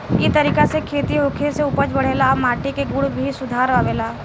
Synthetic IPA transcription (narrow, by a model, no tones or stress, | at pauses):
kit̪əɾiːkasekʰeːt̪iɦokʰeseʊpəd͡ʒbəɽ̤eːlamaːʈikeɡʊɽbʱisʊd̪ʱaːɾʋaːʋeːlaː